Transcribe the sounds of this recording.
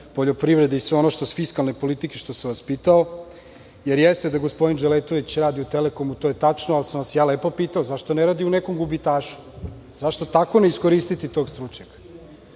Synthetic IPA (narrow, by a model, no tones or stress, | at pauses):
poʎopɾiʋɾe̞d̪eisʋeo̞noʃt̪osfiskalnepo̞lit̪ikeʃt̪o̞samʋaspiːt̪ao̞ | jeɾjest̪e̞d̪aɡo̞spo̞d̪ind͡ʒelet̪oʋit͡ɕɾaːd̪iut̪eleko̞mut̪o̞jet̪at͡ʃnoalsamʋasjaːlepo̞piːt̪aozaʃt̪oneɾaːd̪iunekomɡubit̪aːʃu̥ | zaʃt̪o̞t̪ako̞neisko̞ɾiːst̪it̪it̪o̞ːɡst̪ɾut͡ʃɲakḁ